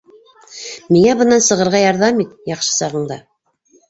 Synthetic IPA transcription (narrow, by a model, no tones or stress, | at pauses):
miŋæbɤ̆nːɑnsɤ̆ʁɤ̆ɾʁɑjɑɾðɑmit̪jɑχʃɤ̥sɑʁɤ̆ɴd̪ɑ